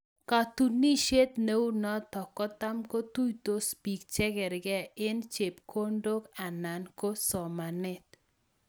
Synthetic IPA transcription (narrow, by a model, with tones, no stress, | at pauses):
ka˨t̪u˨ni˦ʃe˦t̪ne˦wu˦nɔ˦t̪ɔ˨kɔ˦t̪a˦mko˦t̪u˦jt̪o˦spi˨kt͡ʃɛ˦kɛ˨ɾɡɛ˦ɪ˦nt͡ʃe˨pkʰo˦ndo˦ka˨na˨nko˦sɔ˨ma˨nɪ˦t̪̚